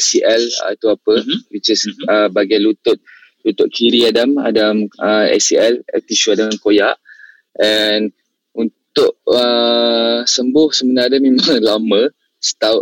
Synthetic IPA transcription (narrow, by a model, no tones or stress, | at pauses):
siʔɛlə̰t̪uapəwit͡ʃəsəbaɡalut̪ʊt̪̚ | lut̪ʊʔ̪̚kʰiɾiadama̰daməɛ̰siɛlɛ̰t̪iʃuadaŋankojaʔ | ɛn | unt̪ʊʔə | səmbʊhsəmənaadamẽmãŋlamə | sə̥t̪a